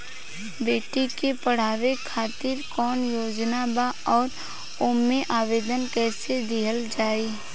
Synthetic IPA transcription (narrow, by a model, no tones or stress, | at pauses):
beːʈikepəɽ̤aːʋekʰaːt̪ɪɾkɔːnjoːd͡ʒnabaɔːɾ | ʊmːeʔaːʋeːd̪ənkɛːsed̪ɪɦəld͡ʒaːeː